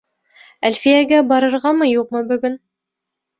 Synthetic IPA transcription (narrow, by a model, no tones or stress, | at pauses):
ælʲfijæɡæbɑɾɤ̆ɾʁɑmɤjuqmɤbɵ̆ɡɵn